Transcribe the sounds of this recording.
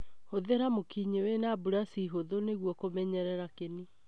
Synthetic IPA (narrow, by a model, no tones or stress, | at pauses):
hoðeɾamokiɲewenaːbuɾasiɦoðoneɣwɔkomɛɲɛɾɛɾakeni